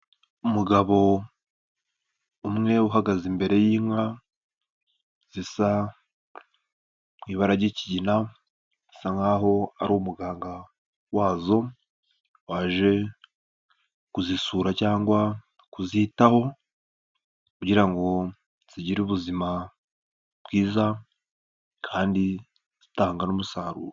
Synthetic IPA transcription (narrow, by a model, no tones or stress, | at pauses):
umuɡaβo̞ | umŋe̞uɦaɡazimbe̞ɾe̞jiːmwa | z̥isa | mwiːβaɾaɟeciɟina | zisaŋaːɦo̞aɾomuɡaːŋɡa | waːzo̞ | waːʒe̞ | kuzisuːɾacaːŋɡwa | kuziːtaho̞ | kuɟiɾaŋɡo̞ | z̥iɟiɾuːβuzima | bɡiːza | kʰaːndi | z̥itaːŋɡanomusaːɾṵːɾ